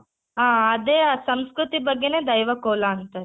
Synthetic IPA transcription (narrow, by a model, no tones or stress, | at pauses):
ɦaːɐd̪eːsɐmskɾut̪ibɐɡːeneːd̪ɐjʋɐkɔːlɐːnt̪ɐ